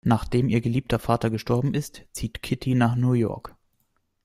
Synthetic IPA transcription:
naːχd̥eːmʔiːɐɡəliːp̚tʰɐfaːtɐɡəʃtɔɐbm̩ʔɪstt͡siːtkʰɪtʰinaːχnuːjɔ̰ɐk

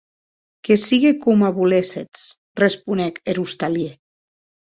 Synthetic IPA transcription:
kesiɣekumaβuleset͡s | respunɛkeɾust̪alje

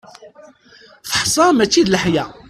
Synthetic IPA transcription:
θə̥ħsˤɑmæt͡sːid̪ləħjæ

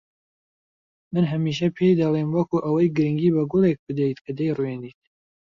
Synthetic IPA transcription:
mɨnɦɐmiːʃ̬ɐpʰejd̪ɐlˠemwɐkuʔɐwɐjɡɨɾɨŋɡiːbɐɡʊlˠek̚bɨd̪ɐjt̪kʰɐd̪ɐjrweniːt̪̚

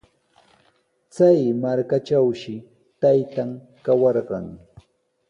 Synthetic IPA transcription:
t͡sajmaɾkat͡ʃawʃɪ | t̪ajt̪aŋ | kawɑɾɢɑ̰ŋ

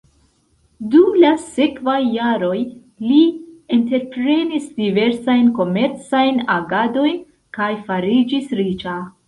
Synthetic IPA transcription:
dumlase̞kvajːaɾo̞j | liente̞ɾpɾe̞nisdive̞ɾsajnko̞me̞ɾt͡sajnaɡado̞jn | kajfaɾid͡ʒisɾit͡ʃa

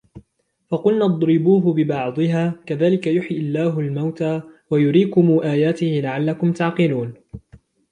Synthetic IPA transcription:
fɑqʊlnaːd̪ˤɾɪbuːɦʊbɪbɑʕd̪ˤɨɦaːkaðaːlɪkajʊħjʔɪlːaːɦʊlmawt̪aːwajʊɾiːkʊmuːʔaːjaːt̪ɪhɪlaʕalːakʊmt̪aʕqɨluːn

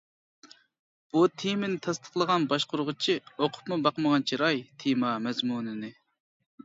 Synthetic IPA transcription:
b̥ut̪ʰemɪnɪt̪ʰɑst̪ʰə̥χlˠəʁɑnbɑʃqʊɾʁʊt͡ʃʰioqʰʊ̥pmubɑqməʁɑnt͡ʃʰiɾɑjt̪ʰemɑmɛzmunɪnɪ

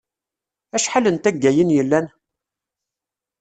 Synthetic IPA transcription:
æʃħalənt̪æɡːæjənjəlːæn

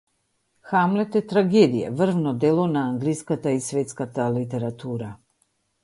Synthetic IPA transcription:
xamlɛt̪ɛt̪ɾaɡɛd̪ija̰vr̩vnɔd̪ɛlˠɔnaːŋɡliskat̪aisvɛt̪skat̪alit̪ɛɾat̪uɾa

